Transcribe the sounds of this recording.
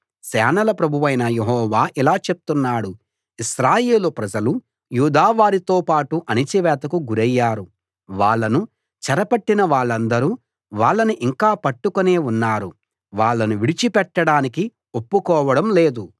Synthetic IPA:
sɛːnɐlɐpɾɐbʱuʋɐjnɐje̞ɦɔːʋaːʔilaːt͡ʃe̞p̚u̥t̪unːaːɽu | iʃɾaːjeːlupɾɐd͡ʒɐlu | juːd̪aːʋaːɾit̪o̞ːpaːʈuʔɐnit͡ʃiʋɛːt̪ɐkuɡuɾɐjːaːɾu | ʋaːɭːɐnu | t͡ʃɐɾɐpɐʈːinɐʋaːɭːɐnd̪ɐɾu | ʋaːɭːɐniʔiŋkaːpɐʈːukone̞ːunːaːɾu | ʋaːɭːɐnuʋiɽit͡ʃipɛʈːɐɽaːniki | opːukɔːʋɐɽɐmle̞ːd̪u

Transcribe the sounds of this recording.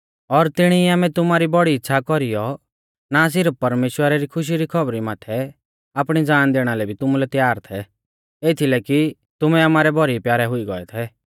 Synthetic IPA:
ɔɾt̪ɪɽ̃iːaːmɛt̪ʊmaːɾibɔɽiːtːʃʰakɔɾijɔ | naːs̬ɪɾəppɐɾmeːʃwəɾaɾikʰʊʃ̬iɾikʰɔbɾimaːt̪ʰɛ | aːpɽ̃id͡zaːnd̪eːɽ̃alɛbʱit̪ʊmulɛt̪jaːɾt̪ʰɛ | eːt̪ʰilɛki | t̪ʊmɛamaːɾɛbɔɾipjaːɾɛɦʊiɡɔ̰ɛ̰t̪ʰɛ

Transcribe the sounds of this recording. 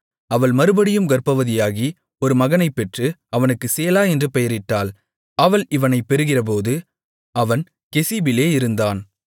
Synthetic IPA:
ɐʋɐɭmɐɾɯbɐɽɪjɯmɡɐrpɐʋɐðɪjaːɣi | ɔɾɯmɐɣɐnɐɪpːɛʈrɯɐʋɐnɯkːɯseːlaːɛndrɯpɛjɐɾɪʈːaːl | ɐʋɐlɪʋɐnɐɪpːɛɾɯɣɪrɐp̬oːðɯ | ɐʋɐn | kɛsibɪleːɪɾɯnd̪aːn

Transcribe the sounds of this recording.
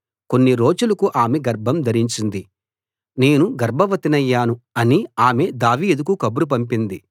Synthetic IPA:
ko̞nːiɾo̞ːd͡ʒulɐkuʔaːmeɡɐɾbʱɐmd̪ʱɐɾiɲt͡ʃind̪i | ne̞ːnuɡɐɾbʱɐʋɐt̪inɐjːaːnuɐniaːme̞d̪aːʋiːd̪ukukɐbuɾup̬ɐmpind̪i

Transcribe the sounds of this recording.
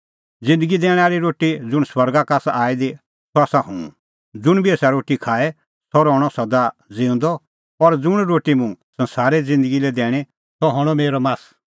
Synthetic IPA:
d͡zɪ̃nd̪əɡid̪ɛːɽ̃aːɾiɾoːʈid͡zʊɽ̃swɐɾɡakasaːid̪i | sɔasaɦũṵ̃ | d͡zʊɽ̃biɛːsaɾoːʈikʰaːɛ | sɔɾɔːɽ̃ɔsɐd̪ad͡zɪ̃ːʊ̃nd̪ɔ | pɔɾd͡zʊɽ̃ɾoːʈimũsɐ̃nsaːɾɛd͡zɪ̃nd̪əɡilɛd̪ɛːɽ̃ɛ | sɔɦɔɽ̃ɔmeːɾɔmaːs

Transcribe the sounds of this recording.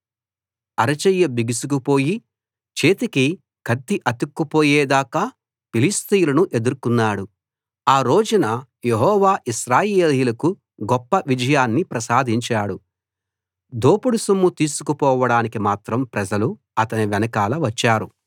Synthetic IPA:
ɐɾɐt͡ʃɐjːɐbiɡisukupo̞ːji | t͡ʃeːt̪iki | kʰɐd̪ːiʔɐt̪ukːupoːjɛːd̪aːkaː | pilist̪ijulɐnuʔe̞d̪uɾkunːaːɽu | aːɾo̞ːd͡ʒunɐ | jeɦɔːʋaːʔiʃɾaːjeːliːlɐku | ɡɔpːɐʋid͡ʒɐjaːnːipɾɐsaːd̪ʱiɲt͡ʃaːɽu | d̪oːpuɽusumːut̪iːsukupɔːʋɐɽaːnikimaːt̪ɾɐmpɾɐd͡ʒɐlu | ɐt̪ɐniʋɛnɐkaːlɐʋɐt͡ʃːaːɾu

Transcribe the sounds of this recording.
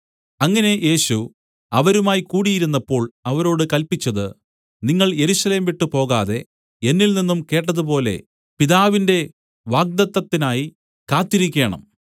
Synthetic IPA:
ɐŋːɐne̞je̞ːɕu | ɐʋɐɾumaːjikuːɽijiɾun̪ːɐpːo̞ːɭɐʋɐɾo̞ːɽɨkɐlpit͡ɕːɐðɨ | niŋːɐɭje̞ɾuɕɐle̞ːmʋiʈːɨpo̞ːɣaːðe̞ | enːilninːumke̞ːʈːɐðupo̞ːle̞̰ | piðaːʋinde̞ | ʋaːɡ̚d̪ɐt̪ːɐt̪ːinaːji | kaːt̪ːiɾikʲːe̞ːɳɐ̰m

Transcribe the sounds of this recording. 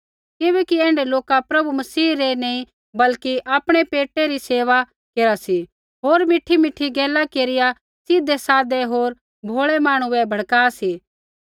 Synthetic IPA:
kɪʋɛːkiɛ̃ːɳɖeloːkapɾɐbumɐsiːɾeneĩ | bɐlkiʔaːpɽ̃epeːʈeɾiseːʋa | keːɾasi | ɦoːɾmɪʈʰːimɪʈʰːiɡɛːlakeːɾɪja | sɪd̪esaːd̪eɦoːɾ | bʱoːɭemaːɽ̃uɛbʱɐɽkaːsiː

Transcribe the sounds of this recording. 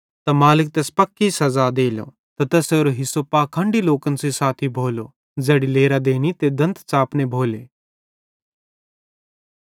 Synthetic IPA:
t̪ɐmaːlɪk̚t̪eːspɐkːisɐzad̪eːlo̰ | t̪ɐt̪ɐseːɾoɦɪsopaːkʰə̃ɳɖiloːkənsisaːt̪ʰibʱoːlo | zɛːɽileːɾad̪eːnit̪ed̪ɐ̃nt̪ʰt͡saːpnebʱoːleː

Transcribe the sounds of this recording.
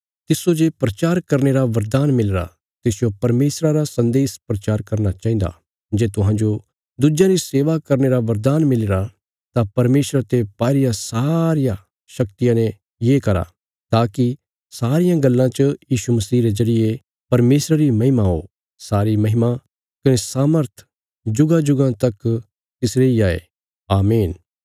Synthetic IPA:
t̪ɪsod͡ʒepɾɐt͡ʃaːɾkɐɾneɾaʋɐɾd̪aːnmɪleɾa̰ | t̪ɪsjopɐɾmeːsɾaɾasɐ̃nd̪eːspɾɐt͡ʃaːɾkɐɾnat͡ʃaːɦĩːd̪a̰ | d͡ʒeːt̪ʊɦãːd͡ʒo | d̪ud͡ʒãɾiseːʋakɐɾneɾaʋɐɾd̪aːnmɪleɾa | t̪apɐɾmeːsɾat̪epaːɾɪjasaːɾɪjã | ʃɐkt̪ɪjãnẽ | jeːkɐɾa̰ | t̪aːki | saːɾɪjãɡɐlːãt͡ʃəjiːʃumɐsiːɾezɐɽɪje | pɐɾmeːsɾəɾimɐɦɪmaɦo̰ | saːɾimɐɦɪma | kɐnesaːməɾt̪ʰ | d͡ʒʊɡad͡ʒʊɡãt̪ɐk | t̪ɪsɾeiaːḛ | aːmiːn

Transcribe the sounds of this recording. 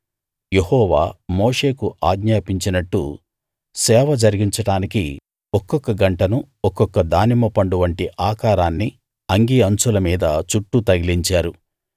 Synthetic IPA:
je̞hɔːʋaːmoːʂe̞ːkuʔaːɡɲaːpiɲt͡ʃinɐʈːṵ | sɛːʋɐd͡ʒɐɾiɡiɲt͡ʃɐɽaːnikḭ | ɔkːɔkːɐɡɐɳʈɐnu | ɔkːɔkːɐd̪aːnimɐpɐɳɖuʋɐɳʈiʔaːkaːɾaːnːi | ɐŋɡiɐnt͡ʃulɐmiːd̪ɐt͡ʃuʈːut̪ɐɡiliɲt͡ʃaːɾu

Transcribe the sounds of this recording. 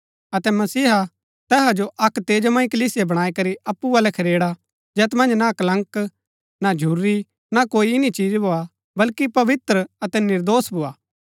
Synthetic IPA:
ɐt̪ɛmɐsiːɦ | t̪ɛːɦad͡ʒoʔɐkt̪eːd͡ʒmãːĩkɐliːsɪjebɐɽ̃aːikɐɾiɐpːuaːlɛkʰɐɾeːɽa | d͡ʒɛːt̪mɐ̃nd͡ʒnakɐlɐ̃ŋk | nad͡ʒʱuɾːi | nakoːiɪnit͡ʃiːd͡ʒbʱoa | bɐlkipɐʋɪt̪ɾəɐt̪ɛnɪɾd̪oːsbʱʊaː

